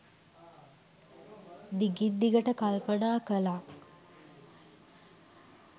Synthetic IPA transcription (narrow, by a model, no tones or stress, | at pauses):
d̪iɡid̪ːiɡəʈəkalpənaːkəla